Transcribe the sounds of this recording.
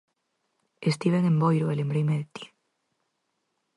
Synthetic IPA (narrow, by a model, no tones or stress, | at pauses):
est̪iβeŋembojɾoelembɾejmeðet̪i̥